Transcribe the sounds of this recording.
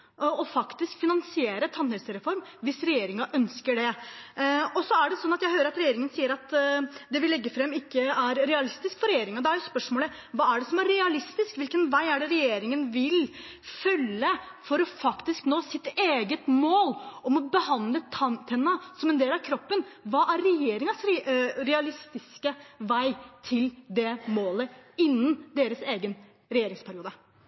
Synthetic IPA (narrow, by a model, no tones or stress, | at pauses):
ɔfɑkt̪ɪskfɪnɑnsɪeːɾət̪ʰɑnhɛlsəɾɛfɔɾmʋɪsɾɛjeːɾɪŋɑʔœnskəɖɛ | ɔsɔæɖɛsɔnːɑt̪jæɪhøːɾəɾɑt̪ɾɛjeːɾɪŋənsiːəɾɑt̪d̪ɛʋɪlɛɡːəfɾɛmːɪkːəæɾɾɛɑlɪst̪ɪskfɔɾɛjeːɾɪŋɑd̪ɛæɾjʊspœʂmoːlə | ʋɑːæɖɛsɔmæɾɾɛɑlɪst̪ɪskʋɪlkənʋæɪæɖɛɾɛjeːɾɪŋənʋɪlfœlːəfɔɾɔfɑkt̪ɪsknoːsɪt̪eːɡət̪moːlɔmɔbəhɑnd̪lət̪ʰɑt̪ʰɛnːɑsɔmɛnd̪eːlɑʋkʰɾɔpːənʋɑːʔæɾɾɛjeːɾɪŋɑsɾɾɛɑlɪst̪ɪskəʋæɪt̪ʰɪld̪ɛmoːləɪnːənd̪eːɾəseːɡən | ɾɛjeːɾɪŋspʰæɾɪuːd̪ə